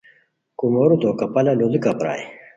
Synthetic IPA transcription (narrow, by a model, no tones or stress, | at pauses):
kumoɾut̪okɐpɐlɐlod̪ikɐpɾa̰ːj